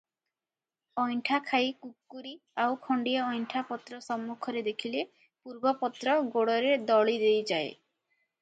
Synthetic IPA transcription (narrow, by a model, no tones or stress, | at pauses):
ɔjɳʈʰakʰajkukːuɾi | awkʰɔɳɖijɔɔjɳʈʰapɔt̪ɾɔsɔmːukʰɔɾed̪ekʰile | puɾbɔpɔt̪ɾɔɡoɽɔɾed̪ɔɭid̪ejd͡ʒae